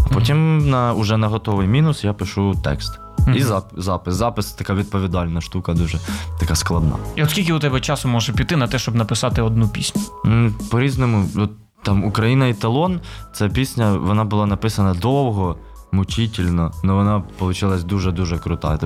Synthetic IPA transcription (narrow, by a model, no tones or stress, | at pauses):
ɐpɔtʲimnɐʊʒɛnɐɦɔt̪ɔʋɪjmʲinʊsjapɪʃut̪ɛ̰kst̪ | izɑzɑpɪszɑpɪst̪ɐkɑʋʲid̪̚pɔʋʲid̪ɑlʲnɐʃt̪ukɐd̪uʒɛt̪ɐkɑsklˠɐd̪nɑ̰iɔt̪sʲkʲilʲkʲɪʊt̪ɛbɛt͡ʃɑsʊmɔʒɐpʲit̪ːɪnɐt̪ɛʃt͡ʃɔbnɐpɪsɑt̪ɪɔd̪nupʲisʲnʲʊpɔɾʲiznɔmʊɔt̪ː | ɑmʊkɾɐjinɐit̪ɐlˠɔnt̪sɛpʲisʲnʲɐʋɔnɑbʊlˠɑnɐpɪsɐnɐd̪ɔwɦɔ | mʊt͡ʃitʲilʲnɔnɔʋɔnɑpɔlˠʊt͡ʃɪlˠɐsʲd̪uʒɛd̪uʒɛkɾʊt̪ɑ̰t̪